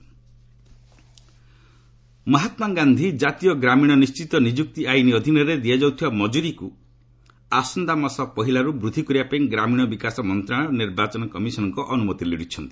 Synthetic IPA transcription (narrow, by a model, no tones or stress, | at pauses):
mɔɦat̪maɡand̪ʱid͡ʒat̪ijɔɡɾamiɽ̃ɔnist͡ʃit̪ɔnid͡ʒuk̚t̪iajniɔd̪ʱinɔɾed̪iad͡ʒawt̪ʰibamɔd͡ʒuɾiku | asɔnd̪amɔsɔpɔɦilaɾubɾud̪ʱikɔɾiapeĩŋɡɾamiɽ̃ɔbikasɔmɔnt̪ɾaɭ̃ɔniɾbat͡ʃɔnɔkɔmisɔnɔŋkɔʔɔnumɔt̪iliɽ̤it͡ʃʰɔnt̪i̥